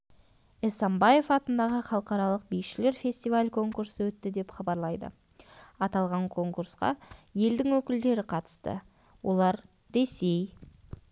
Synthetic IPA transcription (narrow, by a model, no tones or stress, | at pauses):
esɑmbɑje̞fɑt̪ənd̪ɑʁəχɑlˠəqɑɾɑlˠəq̚bijʃɪle̞ɾfʲe̞sʲt̪ijvalʲkʰo̞ŋkuɾsəwɵt̪ːɪd̪e̞pχɑbɑɾlˠɑjd̪ə̰ | ɑt̪ɑlˠʁɑŋkʰo̞ŋkuɾsqɑ̰je̞ld̪ɪŋwɵkʲɪld̪e̞ɾɪqʰɑt̪ə̥st̪ə̰ | wʔo̞̰lˠɑɾ | ɾe̞se̞j